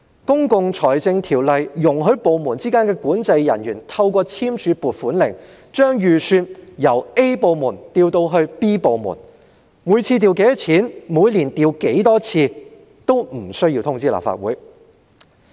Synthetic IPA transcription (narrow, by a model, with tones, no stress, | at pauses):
kʊ˥ŋkʊ˨˧ŋt͡sʰɔː˨˩jt͡sɪ˧ŋt̪ʰiː˨˩wlɐ˨jːʊ˨˩ŋɦɵ˨˥ɥpo˨˧wmuː˨˩nt͡siː˥kaː˥nkɛː˧kuː˨˥nt͡sɐ˧jːɐ̰˨˩njyː˨˩nt̪ʰɐ˧wkʷɔː˧t͡sʰiː˥mt͡ʃʰyː˨˧puː˨˩t̚fuː˨˥nlɪ̰˨˩ŋ | t͡ʃœː˥ŋjyː˨syː˧t̚jɐ˨˩we˥jpo˨˧wmuː˨˩nt̪iː˧wt̪o˧wɦɵ˧ɥpiː˥po˨˧wmṵ˨˩n | muː˨˧jt͡sʰiː˧t̪̬iː˧wke˨˥jt͡sʰiː˨˥nmuː˨˧jliː˨˩nt̪iː˧wke˨˥jt̪ɔː˥t͡sʰiː˧ | t̪o˥wm̩˨˩sɵ˥ɥji˧wt̪ʰʊ˥ŋt͡siː˥la̰˨˩pfa̰ː˧t̚wṵː˨˥j